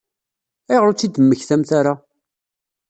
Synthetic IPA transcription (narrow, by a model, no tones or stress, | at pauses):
æjʁɾʊt͡sːid̪əmːəçθæmθaɾa